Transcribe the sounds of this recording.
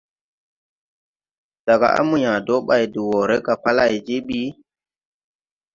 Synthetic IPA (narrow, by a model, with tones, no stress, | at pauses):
d̥a˨ɡa̰˨ʔa̰˦mu˨ɲã˨do˦ɓa˨jdu˨wo˨ɾe˦ɡa˨pa˦la˨jd͡ʒi˦ɓi˦